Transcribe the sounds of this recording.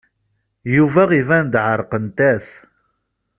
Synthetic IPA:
juvæʁivænd̪ʕəɾˤqənt̪æθ

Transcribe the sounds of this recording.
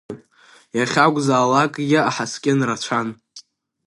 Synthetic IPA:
n | jaχʲaɡʷʼzaːlakʼɡʲaaħaskʲʼɪnrat͡ʃʷʰan

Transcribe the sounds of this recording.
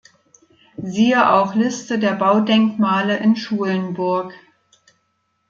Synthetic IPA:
ziːəʔaʊxlɪstədeːɐbaʊdɛŋkmaːləʔɪnʃuːlənbʊɐk

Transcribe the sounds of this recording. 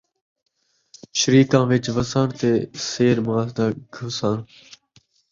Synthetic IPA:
ʃəɾiːkãːʋɪt͡ʃʋəsãːɳt̪eːseːɾmaːsd̪aːɡʱəsãːn

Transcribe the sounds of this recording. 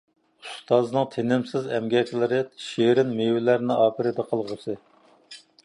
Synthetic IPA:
ust̪ɑznɨŋt̪ʰenɪmsɪzɛmɡʲɛt̪ʰlɪɾɪʃeɾɪnmewɪlæɾnɪɑːpʰɨɾɪd̪ɛqʰəlˠʁəsɨ

